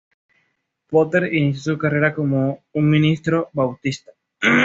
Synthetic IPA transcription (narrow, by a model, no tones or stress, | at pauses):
pot̪eɾiniθjosukareɾakomouŋmĩnist̪ɾobawt̪ist̪ḁ